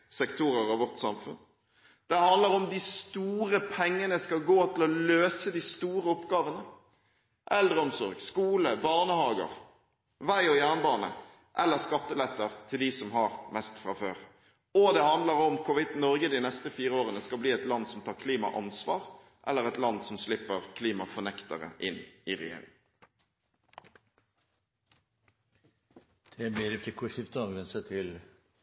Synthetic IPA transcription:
sɛkt̪ʰuːɾəɾɑʋɔʁʈ̪sɑmfʉ̰n | d̪̥ɛhɑnd̪ləɾɔmd̪ɪst̪uːɾəpʰɛŋːənəskɑlɡoːt̪ʰɪlɔløːsəd̪ɪst̪uːɾəɔpɡɑːʋənə | ʔɛld̪ɾəɔmsɔ̰ɾɡskuːləbɑʁnəhɑːɡə̰ʁ | ʋæɪɔjæːʁnəbɑːnə̰ | ʔɛlːəʁskɑt̪ːəlɛt̪ːəʁt̪ʰɪld̪isɔmɦɑʁmɛst̪fɾɑfø̰ːʁ | ɔd̪ɛhɑnd̪ləʁɔmkʰʊʋɪt̪nɔʁɡəd̪ɪnɛst̪əfiːʁəoːʁənəskɑlbliːɛt̪lɑnd̪sɔmt̪ʰɑːkʰliːmɑ̰ʔɑ̰nsʋɑːʁ | ʔɛlːəʁɛt̪lɑnd̪sɔmslɪpːəʁkʰliːmɑfɔnɛkt̪əʁə̰ʔɪnɪʁɛ̰jḛːɾɪ̰ŋ | d̪̥ʰɛbed̪ɪft̪ɪkʰʊʃɪft̪ɑɡʋɛnsət̪ʰɪl

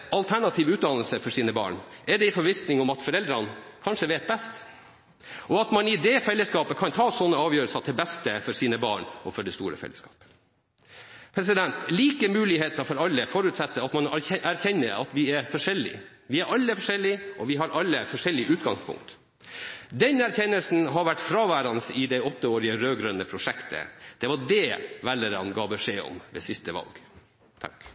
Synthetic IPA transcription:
ɑlt̪ʰæɳɑt̪ʰiːʋʉːt̪̚d̪ɑnəl̩səfɔʂiːnəbɑ̰ːɳʔɛɖɛɪfɔɾʋɪsnɪŋɔmɑt̪fɔɾɛld̪ɾɑnkʰɑnʂəʋeːt̪̚bɛst̪ | ʔɔɑt̪mɑnɪd̪ɛfɛlːəskɑːpəkʰɑnt̪ʰɑːsɔnːəɑːʋjøːɾəlsɑt̪ʰɪlbɛst̪əfɔɾsiːnəbɑ̰ːɳɔ̰fɔɖɛst̪ṵːɾə̰fɛ̰ləskɑ̰ːpə | pʰɾɛsɪd̪ɛnt̪liːkəmʉːlɪɦeːt̪əɾfɔɾɑlːəfɔɾʉt̪sɛt̪ːəɑt̪mɑnʔæɾçɛnːəɾɑ̰t̪ʋɪɛɾfɔʂɛlːɪ̰ | ʋɪæɾɑlːəfɔʂɛlːɪʔɔʋɪɦɑɾɑlːəfɔʂɛlːɪʔʉːt̪ɡɑŋspʰʊ̰ŋkt̪ | d̪ɛnæɾçɛnːəlsn̩ɦɑɾʋæʈːfɾɑːʋæːɾɑnəsɪd̪ɛɪɔt̪ːəoːɾɪəɾøːɡɾœnːəpʰɾʊʂɛkt̪ʰə̰d̪̥ɛʋɑɖɛʋælːəɾɑnɡɑːbəʂeːɔ̰mʋɛ̰sɪst̪əʋɑ̰lɡ̥ | t̪ʰɑ̰k

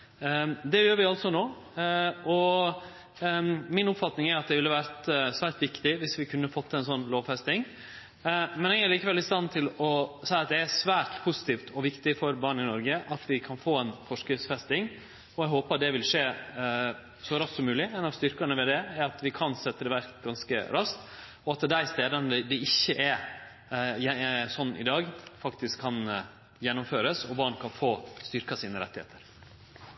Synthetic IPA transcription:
d̪ɛjøːɾʋɪɑlt̪sɔnoː | ɔ | mɪnʊpfɑt̪nɪŋæɾɑt̪̚d̪ɛʋɪlːəʋæːɾt̪sʋæːɾʈ̪ʋɪkt̪ɪʋɪsʋɪkʰʉnːəfɔt̪ːɛɪnsɔnːloːʋfɛst̪ɪŋ | mɛnɛɡæɾɭiːkəʋɛlːɪst̪ɑnt̪ʰɪlɔsæɪɑt̪̚d̪ɛæsʋæːɾʈpʰʊsɪ̥t̪ʰiːft̪ʰɔʋɪkt̪ɪfɔɾbɑːɳɪnɔɾɡəʔɑt̪ʋɪkʰɑnfoːɛnfɔʂkɾɪft̪sfɛst̪ɪŋ | ɔɛɡɦoːpəɾɑt̪d̪ɛʋɪlʂeː | sɔɾɑst̪sɔmːʉːlɪɛnɑʋst̪ʏɾkəɳəʋɛd̪ɛæɾɑt̪ʰʋɪkʰɑnsɛt̪ːəd̪ɛʋæɾkɡɑnskə̰ɾɑst̪ | ɔɑt̪d̪æɪst̪eːd̪ənəd̪ɛɪçːəʔɛ | jɛsɔnːʔɪ̰d̪ɑːɡfɑkt̪ɪskʰːɑn | jɛnːʊmføːɾəsɔbɑːɳkʰɑnfoːst̪ʏɾkɑsiːnəɾɛ̰t̪ːɪhḛːt̪ʰəɾ

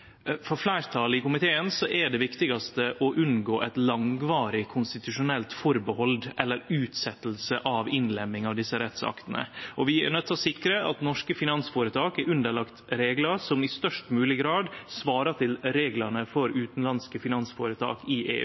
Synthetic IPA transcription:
fɾɔflæɪɾt̪ʰɑlɪkʊmɪt̪ʰeːənsɔʔæɖɛʋɪkt̪ɪɡɑst̪əʔɔʔʉnɡoːʔɛt̪lɑŋʋɑːɾɪkʰʊnst̪ɪt̪ʉʂʊnɛlt̪fɔɾbəhɔld̪ʔɛlːəɾʉːt̪sɛt̪ːəlsəʔɑʋɪnlɛmːɪŋɑʋd̪ɪsːəɾɛt̪sɑ̰kt̪ənə̰ʔɔʋɪæ̰nœt̪ʰːɑsɪkɾəʔɑ̰t̪nɔʂkəfɪnɑnsfoːɾət̪ʰɑːkɛɾʔʉnd̪əɭɑkt̪ɾeːɡlɑɾsɔmɪst̪œʂʈmʉːlɪɡɾɑːd̪sʋɑːɾɑt̪ʰɪlɾeːɡlɑnəfɔɾʉːt̪nlɑnskəfɪnɑnsfoːɾət̪ʰɑ̰ːkɪʔḛː

